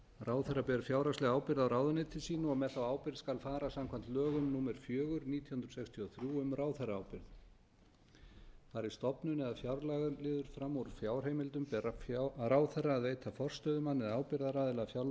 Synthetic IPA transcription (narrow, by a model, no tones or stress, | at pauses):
raːwθɛrapɛɾfjaːwɾaslɛɣaːwpɪɾðawɾaːwðʏnɪt̪ʰɪlsiːnaɔɣmɛðθawaːwpɪɾðskalfaːɾasamkʰvam̥t̪lœːɣʏmnuːmɛɾ̥fjœːɣʏɾniːt̪ʰjɔhʏnd̪ɾsɛkst̪ʰiɔθɾjuːʏmraːwθɛraawpɪɾð | faːɾɪ̥st̪ɔpnʏnɪɛðafjawɾlaɣʏlɪːðʏɾ̥fɾamːoɾfjaːwr̥heːjmɪlt̪ʏmpɛraraːwθɛrːaːðvejt̪ʰafɔr̥st̪œːðʏmanːɪðaːwpɪɾðaɾaːðɪlafjawɾ